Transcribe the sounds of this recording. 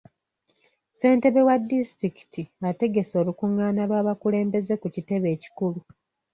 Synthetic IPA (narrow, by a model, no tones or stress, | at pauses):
se̞ːnte̞βe̞wadːistɾiki̥tiate̞ɡe̞so̞ːlukuŋːaːnalwaːβakule̞ːmbe̞ze̞kucite̞βe̞ːci̥kulu